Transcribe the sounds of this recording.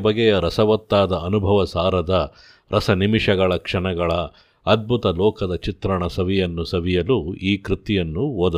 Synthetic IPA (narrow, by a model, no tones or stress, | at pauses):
bɐɡɛjɐɾɐsɐʋɐt̪ːaːd̪ɐʔːnubʱɐʋɐsaːɾɐd̪ɐ | ɾɐsɐnimiʂɐɡɐɭɐkʂɐɳɐɡɐɭɐː | d̪̚bʱut̪ɐlɔːkɐd̪ɐt͡ʃit̪ɾɐɳɐsɐʋijɐnːusɐʋijɐluiːkɾit̪ijɐnːuoːd̪ɐ